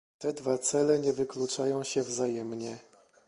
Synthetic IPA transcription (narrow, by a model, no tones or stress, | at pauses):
t̪ɛd̪vat̪sɛlɛɲɛvɘklut͡ʂajɔ̃w̃ɕɛvzajɛmɲɛ